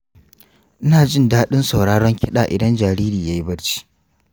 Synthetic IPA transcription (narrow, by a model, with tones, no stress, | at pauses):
ʔɪ˦naː˨d͡ʒɪ˦ndaː˦ɗɪ˦nsa˨wɽaː˦ɽɔ˦ŋkʲɪ˦ɗaː˨ʔɪ˨dɐ˦nd͡ʒaː˨ɾiː˦ɾiː˨jaː˦ji˦bɐ˦ɽt͡ʃi̥˦